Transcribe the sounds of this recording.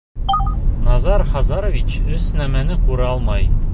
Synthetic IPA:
nɑzɑɾχɒzɑɾovʲit͡ɕɵznæmænɘquɾɑɒlˠmɑj

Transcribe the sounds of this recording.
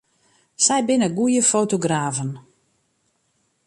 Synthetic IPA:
sɛjbɪnəɡujəfoːtoɡraːvən

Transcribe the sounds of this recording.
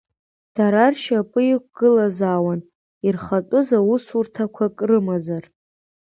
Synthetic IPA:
d̥aɾarʃapʼɨjikʷʼɡ̥ɨlazaːwan | irχatʼʊzausurtʰakʷʰakʼrɨmazar

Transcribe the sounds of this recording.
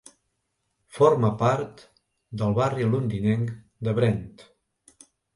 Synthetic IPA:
foɾməpaɾt̪ | d̪əlˠβariəlund̪inɛŋ | d̪əβɾɛnt̪

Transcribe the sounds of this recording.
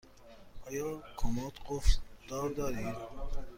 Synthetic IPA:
ɔjɔkʰɔmɔt̪qufd̪̥ɔɾd̪ɔɾid̪

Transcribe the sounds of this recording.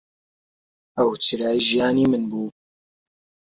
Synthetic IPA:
ɐwt͡ʃɨɾaːiʒijaːniːmɨnbuː

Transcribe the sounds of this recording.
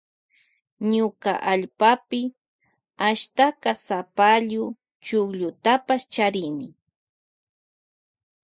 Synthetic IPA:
ɲʊka̰ʔaʎpapɪ | aʃt̪akɑsapaʎʊ | t͡ʃʊkʎʊt̪apast͡ʃaɾɪnɪ

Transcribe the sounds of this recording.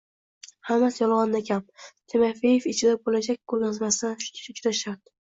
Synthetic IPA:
hamːasjɒlˠʁɑnd̪akʲʰamt̪ʰemafejefɪt͡ʃʰɪd̪abolad͡ʒak̚ʲkʰoɾjɒzmasaʃʊt͡ʃʲɾaʃaɾt̪

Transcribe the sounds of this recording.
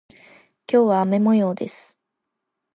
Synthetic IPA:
kʲo̞ːβaːme̞mo̞jo̞ːd̪esɨ̥

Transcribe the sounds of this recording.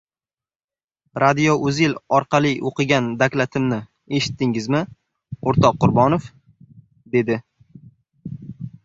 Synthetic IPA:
ɾʔad̪ijoʔɵzɪlɒɾqʰɑlˠiʔoqɨɡʲand̪akʲlat̪ʰɪmnɪ | e̞ʃɪ̥t̪ʰːɪŋɪzmɪ | oɾt̪ʰɒqːʊɾbɒnof | d̪e̞d̪ɪ

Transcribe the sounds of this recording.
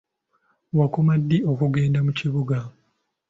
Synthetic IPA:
wakumadːio̞kuɡe̞ːndamuciβuɡa

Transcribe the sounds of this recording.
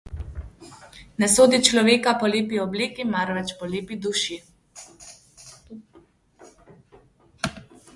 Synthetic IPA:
nɛsoːd̪it͡ʃlɔʋeːkapɔleːpiɔbleːkimaɾʋɛt͡ʃpɔleːpid̪uʃi

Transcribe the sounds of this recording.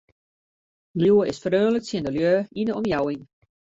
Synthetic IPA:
ljuwəɪsfərøːnləksjəndəljøːindəɔmjawɪŋ

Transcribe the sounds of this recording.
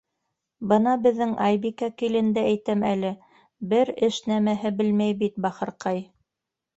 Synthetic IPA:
bɤnɑbɘ̆ðːɘŋʔɑjbikækilɘ̆nd̪ææjt̪æmælɘ | bɘɾɘʃnæmæɦɘbɘlmæjbit̪̚bɑχɤ̆ɾqɑj

